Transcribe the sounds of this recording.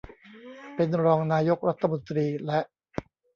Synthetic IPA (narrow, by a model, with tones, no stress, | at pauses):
pe˧nɾɔː˧ŋnaː˧jo˦˥k̚ɾa˦˥t̪ʰːa˧mo˧nt̪ɾiː˧lɛ˦˥ʔ